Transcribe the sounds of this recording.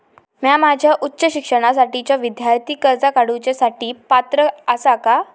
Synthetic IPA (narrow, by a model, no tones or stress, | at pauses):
mjamad͡ʑʱjaʔutːɕəɕikʂəɽ̃as̬aʈit͡ɕjaʋid̪jaɾt̪iːkəɾd͡zakaɽut͡ɕasaʈiːpat̪ɾəəsaka